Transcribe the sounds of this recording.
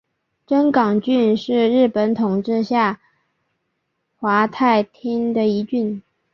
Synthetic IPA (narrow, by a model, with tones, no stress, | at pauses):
ʈ͡ʂə˥nkɑ˨˩ŋt͡ɕy˥˧nʂɻ̩˥˧ɻɻ̩˥˩pə˧˥nt̪ʰʊ˨˩ŋʈ͡ʂɻ̩˥˧ɕja˥˩ | xwa˧˥t̪ʰa˥˩ɪt̪ʰjɛ˥nd̪ə˨i˧˥t͡ɕy˥˩n